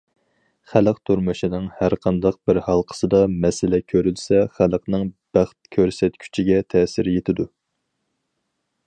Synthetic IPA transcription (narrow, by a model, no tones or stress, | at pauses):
χæləqt̪ʰuɾmɨʃinɨŋhæɾqʰɑnd̪ɑq̚bɪɾhɑlˠqʰə̥sɨd̪ɑmɛsɪlɛkʲʰøɾylsɛχæləqnɨŋb̥æχt̪̚kʲʰøɾsɛt̪kʲʰy̥t͡ʃʰiɡʲɛt̪ʰɛsɪɾjet̪ʰɪd̪u